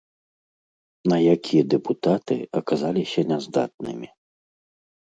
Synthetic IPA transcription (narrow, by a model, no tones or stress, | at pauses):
nɐjakʲijɐd̪ɛput̪at̪ɨ̰ɐkazalʲisʲɐnʲɛzd̪a̰t̪̚nɨ̰mʲi